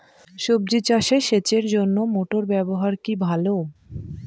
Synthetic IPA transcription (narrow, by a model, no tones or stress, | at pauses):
ʃob̚d͡ʑit͡ɕaʃeʃet͡ɕeɾd͡ʑonːomoʈoɾbɛboɦaɾkibʱalo